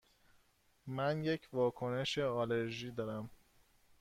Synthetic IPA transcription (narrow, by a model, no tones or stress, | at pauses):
mænje̞cʰvɒːkʰone̞ʃeɒːleɾʒiːd̪ɒːɾæm